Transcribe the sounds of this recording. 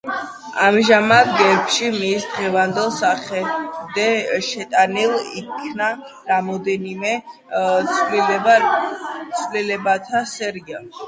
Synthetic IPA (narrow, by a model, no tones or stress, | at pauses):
a̰mʒamad̪̚ɡɛpʃimisd̪ʁɛvand̪ɛlˠsaχɛd̪ɛʃɛt̪ʼanilˠḭkʰna | ɾamɔd̪ɛnimɛ | l | t̪sʰvlilɛbat̪ʰasɛɾia